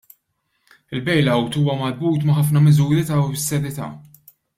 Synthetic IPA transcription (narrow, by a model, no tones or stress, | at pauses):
ɪlbɛjlɐwt̪uːwɐmɐɾbuːt̪mɐħɐfnɐmɪzuːɾit̪ɐsːɛɾɪt̪ɐ̰ː